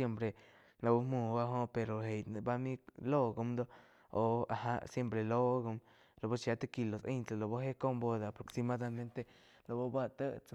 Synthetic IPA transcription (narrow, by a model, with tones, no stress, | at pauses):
e˦mpɾe˨ | lo˧bu˦mu˧˨ba˧ɦo˦pe˨ɾo˨ɦe˨jn˧ba˦mi˦lo˦ɡo˧md̪o˦ | o˨a̰˨ɦa˦sje˦mpɾe˨lo˦ɡo˧m | lo˨bo˦t͡ʃja˧t̪e˦ki˧lo˨se˦jnt͡sa˧˨lo˨bo˦ɦe˦ko˦mbo˧d̪a˨pɾo˨ksi˧ma˦d̪a˧mẽ˦nt̪e˦˧ | lo˨bo˦ba˦t̪ə˦t͡s